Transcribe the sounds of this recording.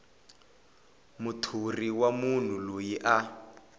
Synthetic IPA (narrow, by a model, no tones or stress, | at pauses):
mutʰuriwamun̤ulojiʔa